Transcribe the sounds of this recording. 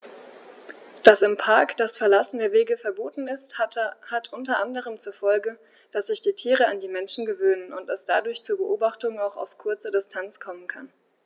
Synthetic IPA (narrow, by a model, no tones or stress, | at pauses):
d̥asɪmpʰaɐkd̥asfɛɐlasn̩deːɐveːɡəfɛɐboːtn̩ɪsthatʔʊntɐʔandəʁ̞əmt͡suːɐfɔlɡə | d̥asz̥ɪçd̥iːtʰiːʁ̞əandiːmɛnʃn̩ɡəvøːnənʊnt̚d̥asd̥adʊɐçt͡suːɐbəʔoːbaχtʊŋaʊxa̰ʊfkʰʊɐt͡sədɪstʰant͡skʰɔmənkʰan